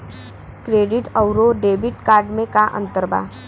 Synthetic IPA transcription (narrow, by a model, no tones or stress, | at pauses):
kɾeːɖɪʈəʊɾoɖeːbɪʈkaːɾɖmẽkaʔə̰̃nt̪əɾba̰ː